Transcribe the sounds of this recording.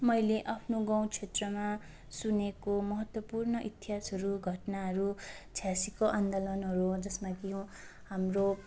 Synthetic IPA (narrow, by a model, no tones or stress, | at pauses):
mʌjleʔapʰnoɡaw̃t͡sʰet̪rʌma | sunekomʌɦʌt̪wʌpurnʌʔit̪iɦasɦʌɾuɡʱʌʈnaɦʌɾut͡sʰjasikoʔand̪olʌnɦʌɾud͡zʌsmaɡijõ | hamro